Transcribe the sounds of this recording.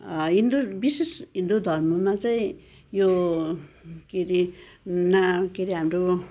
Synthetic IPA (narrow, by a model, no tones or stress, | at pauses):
ɦind̪obisesɦind̪od̪ʱʌrmʌmat͡saĩ | jo | keɾi | nakeɾiɦamɾo